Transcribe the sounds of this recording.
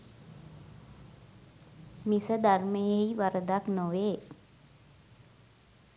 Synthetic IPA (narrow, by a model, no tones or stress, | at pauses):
misəd̪arməjeiʋaɾəd̪aknoʋeː